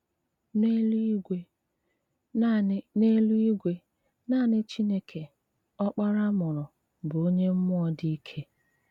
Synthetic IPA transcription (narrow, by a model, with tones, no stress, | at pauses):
ne˦e˦ | ne˦lu˦i˦ɡʷe˦ | naː˦˨nɪ˦t͡ʃi˦ne˦kʰe˨ | ɔ˦k͡pa˦ɾa˦mʊ˨ɾʊ˨ | bʊ˨o˦ɲe˦m̩˦mʊ˦ɔ˦di˦i˦kʰe˦